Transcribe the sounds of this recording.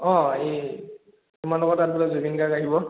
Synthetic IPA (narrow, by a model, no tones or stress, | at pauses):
ɔ̃ae | tumaɹnlɔɡɔtat̚bulɔzubinɡakaɦibɔ